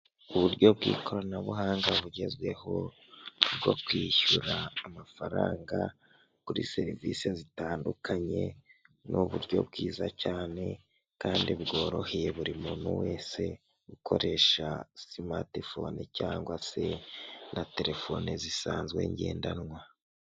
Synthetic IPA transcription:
uβuɾɟo̞bɡḭːko̞ɾanaβuɦaːŋɡaβuɟe̞zwe̞ho̞ | bɡokwiːçuɾaːmafaɾaːŋɡa | kuɾḭse̞ɾivisezitaːndukʰaɲe̞nʔuβuɾɟo̞̰bɡiːzacaːne̞ | kaːndiβɡo̞ːɾo̞heje̞βuɾimuːnuweːse̞ | ɡukʰo̞ɾe̞ːʃasima̰tefo̞nicaːŋɡwase̞nʔate̞ɾe̞fo̞nizisaːnzɡwe̞̰ːɲɟeːndanŋwa

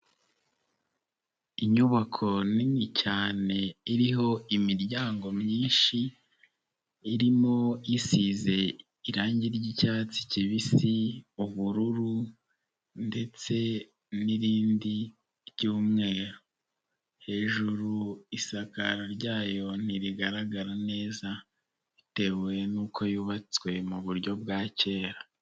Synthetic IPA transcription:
iɲuβakʰo̞nimŋicaːne̞iɾiɦo̞imiɾɟaːŋɡo̞mɲiːnʃi | ɾimo̞jisize̞ | iɾaːɲɟiɾɟicaːt͡si̥ciβisiuβuɾuɾu | nde̞t͡se̞ | niɾiːndi | ɾɟuːmŋe̞ːɾo | he̞ːʒuɾuisakaɾoɾɟaːjo̞n̥iɾiɡaɾaɡaɾane̞ːza | ite̞wenuːkʰo̞juːβat͡swe̞muβuɾɟo̞b̚ɡaːce̞ːɾa

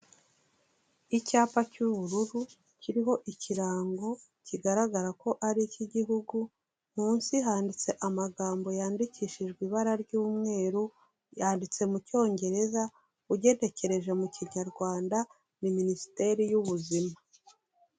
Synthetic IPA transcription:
icaːpacuβuɾuɾu | ciɾiɦo̞ʔiciɾaːŋɡo̞ | ciɡaɾaɡaɾako̞ʔaɾiciɟiɦuɡu | m̥uːnsiɦaːndit͡se̞ʔamaɡaːmbo̞jaːndiciːʃiʒɡwiːβaɾaɾɟuːmŋe̞ːɾu | jaːndit͡se̞muco̞ːŋɟe̞ɾe̞za | uɟe̞nde̞ce̞ɾe̞ʒe̞muciɲaɾɡwaːnda | niminisi̥te̞ɾijuβuzima

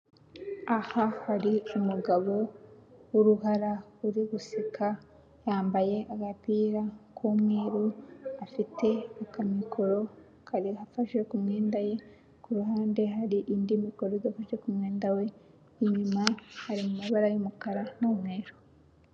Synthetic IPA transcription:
ahahaɾiumuɡaβo̞wuɾuhaɾauɾiɡusikʰa | jaːmbaje̞ʔaɡatiːɾakʰumŋeːɾuafite̞akamikʰo̞ɾo̞ | kʰaɾihafaʃwe̞kumŋeːndaje̞ | kuɾuɦaːnde̞ɦaɾiʔindimiko̞ɾodafaʃwe̞kumŋeːndawe̞ | iɲumahaɾimumaβaɾajomukaɾanomŋeːɾo̥

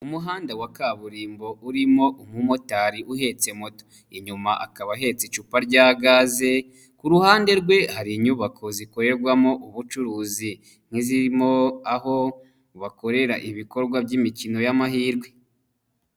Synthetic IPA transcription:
umuɦaːndawakaβuɾiːmbo̞ʔuɾimo̞ʔumumo̞taɾiʔuɦe̞t͡se̞moto̥ | iɲumaʔakaβaɦe̞t͡sit͡ʃupaɾɟaːɡaːze̞ | kuɾuhaːnde̞ɾɡwe̞haɾiɲuβako̞ziko̞ɾe̞ɾɡwamo̞ʔuβut͡ʃuɾuːzi | n̥iziɾimo̞aɦo̞ | βako̞ɾe̞ɾa̰ʔiβiko̞ɾɡwabɟimicino̞jamahiːɾɡwe̞

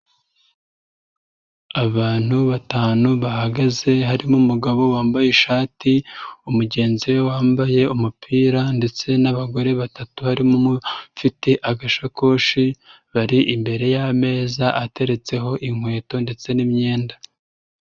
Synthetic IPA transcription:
aβaːn̥huβataːnuβahaɡaze̞ɦaɾimumuɡaβo̞waːmbajeʃaːtiumuɟe̞ːnziwewaːmbaje̞umupʰiːɾande̞t͡se̞naβaɡo̞ɾe̞βatatuhaɾimumufiteʔaɡaʃako̞ːʃi | βaɾiʔimbe̞ɾe̞jame̞ːzaʔate̞ɾe̞t͡se̞ɦo̞ʔiŋhwe̞ːto̞nde̞t͡se̞nimɲe̞ːnda

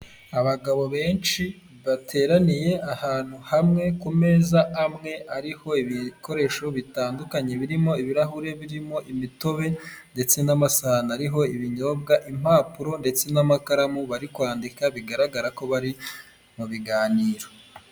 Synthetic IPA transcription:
aβaɡaβo̞βe̞ːnt͡ʃi | βatʰe̞ːɾanije̞ʔahaːn̥huhamŋe̞kume̞ːzaamŋe̞aɾiho̞iβiko̞ɾe̞ʃo̞βitaːndukaɲe̞βiɾimo̞iβiɾaɦuɾe̞βiɾimo̞ʔimito̞βe̞nde̞t͡se̞namasanaɾiɦo̞iβiɲo̞bɡaʔim̥aːpuɾo̞nde̞t͡se̞namakaɾamuβaɾikwaːndikaβiɡaɾaɡaɾako̞βaɾi | muβiɡaːniːɾo

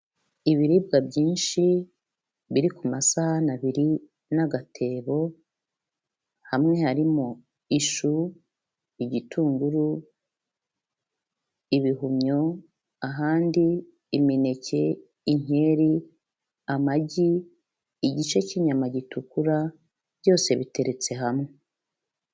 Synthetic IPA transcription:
iβiɾiːb̚ɡabɟiːnʃi | βiɾikumasahanaβiɾi | naɡatʰe̞ːβo̞ | hamŋe̞haɾimo | iʃu | iɟitʰuːŋɡuɾu | iβiɦumɲo̞ | aɦaːndiː | mine̞ce̞ | iɲ̥e̞ːɾi | amaɟiː | ɟit͡ʃe̞ciɲamaɟitukuɾa | b̥ɟo̞ːse̞βite̞ɾe̞t͡se̞ɦamŋe

